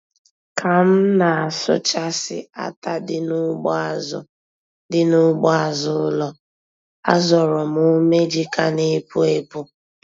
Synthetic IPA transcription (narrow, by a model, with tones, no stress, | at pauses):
kʰa˨m̩˦na˨a˨sʊ̰˦t͡ʃa˦sɪ̰˨a̰˦ta˦dɪ˦nʊ˦ɡ͡bzʊ˦ | dɪ˦nʊ˦ɡ͡bɔ˦a˨zʊ˦lɔ˦ | a̰˦zɔ˨ɾɔ˨m̩˦ʊ˦me˦d͡ʒi˦ka˦ne˦pu˦e˦pu˦